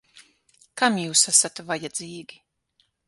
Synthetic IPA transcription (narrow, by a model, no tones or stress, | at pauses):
kamjuːsasat̪vajad̪ziːɡʲi